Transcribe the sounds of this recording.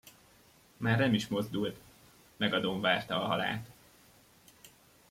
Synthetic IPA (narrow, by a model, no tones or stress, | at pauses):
maːrnɛmiʃmo̞zd̪ult̪ | mɛɡɒd̪o̞mvaːrt̪ɒːɦɒ̰la̰ːt̪